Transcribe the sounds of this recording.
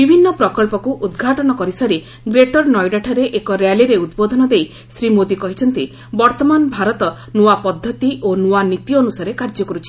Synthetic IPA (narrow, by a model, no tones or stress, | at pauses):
bibʱinːɔpɾɔkɔlpɔkuʔud̪ɡʱaʈɔnɔkɔɾisaɾi | ɡɾeʈɔɾnɔjɖaʈʰaɾeʔekɔɾjaliɾeud̪̚bod̪ʱɔnɔd̪ej | sɾimod̪ikɔɦit͡ʃʰɔnt̪i | bɔɾt̪ɔmanbʱaɾɔt̪ɔ | nuapɔd̪ʱːɔt̪iʔonuanit̪jɔnusaɾekaɾd͡ʒɔkɔɾut͡ʃʰi̥